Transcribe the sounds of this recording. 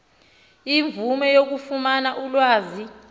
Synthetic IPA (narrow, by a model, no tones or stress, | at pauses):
iɱvʱumɛjok̬ufumanaʔulwaːzi